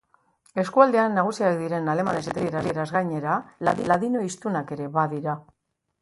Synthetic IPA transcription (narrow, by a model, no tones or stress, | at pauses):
e̞skuald̪e̞anːaɣ̞usiakd̪iɾe̞nale̞ma̰ne̞set̪ajeɾarieɾazɣajɲe̞ɾala̰ðilaðino̞ist̪unake̞ɾe̞βaðiɾa